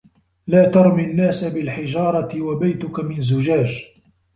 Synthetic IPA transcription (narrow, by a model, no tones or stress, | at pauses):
laːt̪ɑɾˤminːaːsabɪlħɪʒɑːɾˤɑɪwabajt̪ʊkamɪnzʊʒaːd͡ʒ